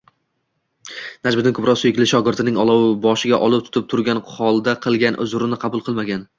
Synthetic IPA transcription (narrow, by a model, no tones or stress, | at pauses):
nad͡ʒbɪd̪ɪnkʰʊpɾɒsʊjɪkʲlɪʃɒɡʲɪɾt̪ʰɪnɪŋɒlˠɒwɪbɒʃɪɡʲaʔɒlˠɪp̚t̪ʰʊ̥t̪ɪp̚t̪ʰʊɾɡʲanhɒlˠd̪aqʰɨlˠɡʲanʔʊ̰zʊɾɪnɪqʰɑbʊlˠqʰɨlˠmaɡʲan